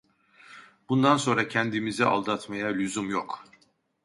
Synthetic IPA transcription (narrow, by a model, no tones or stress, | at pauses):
b̥und̪anso̞nɾacʰɛnd̪imizɛʔa̰lˠd̪at̪ʰmajalʲuzumjok